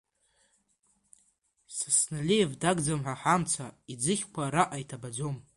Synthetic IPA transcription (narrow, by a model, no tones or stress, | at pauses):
sasnalejevdaɡd͡zamħʷaħamt͡sʷʰaid͡zɨχʲkʷʰaɾaʔaitʰabad͡zom